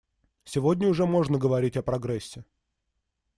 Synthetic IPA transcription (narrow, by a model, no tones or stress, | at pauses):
sʲɪvodʲnʲəʊʐɛmo̞ʐnəɡəvɐɾʲitʲɐpɾɐɡɾɛsʲːɪ